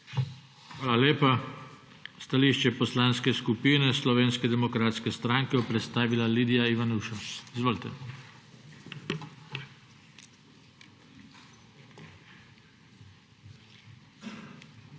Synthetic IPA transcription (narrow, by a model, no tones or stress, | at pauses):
xʋaːlaleːpa | st̪aliʃt͡ʃɛpɔslanskɛskupiːnɛslɔʋeːnskɛd̪ɛmɔkɾaːt̪skɛst̪ɾaŋkɛɔpɾɛt̪st̪aːʋilaliːd̪ijaiʋanuʃɔsizʋoːlit̪ɛ